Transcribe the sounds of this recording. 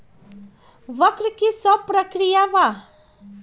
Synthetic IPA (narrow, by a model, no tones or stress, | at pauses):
ʋəkɾkisɔpɾəkɾijaʋa